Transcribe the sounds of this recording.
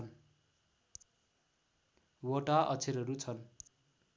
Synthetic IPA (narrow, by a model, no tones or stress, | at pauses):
n | woʈaʔʌ̰t͡sʰeɾʌɾut͡sʰʌn